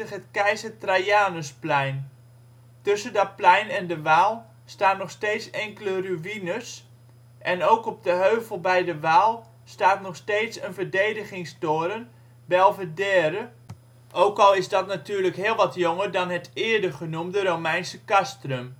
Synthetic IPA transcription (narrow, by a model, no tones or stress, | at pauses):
əχɦətkɛjzətrajaːnəsplɛjn | tɵsəndɔt̚plɛjnɛndəʋaːlˠ | staːtnɔχstetsɛŋkələryʋinəs | ʔɛnowkɔp̚dəɦøɥvəlˠbɛjdəʋaːlˠ | staːtnɔχsteːtsənvəɹdejdəχɪŋstoːɾən | bɛlˠvədɛːɾə | ʔowkɑlˠɪzdɔtnatyːɹrləkɦɪːlˠʋɑtjoŋəɹdɑnɦətʰɪəɹdəχənumdəɾomɛjnsəkastrøm